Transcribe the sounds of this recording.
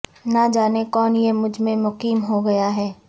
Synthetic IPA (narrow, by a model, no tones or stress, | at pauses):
nad͡ʒaːnekɔːnjemʊd͡ʒʱmẽmʊqiːmɦoɡɐjaɦɛː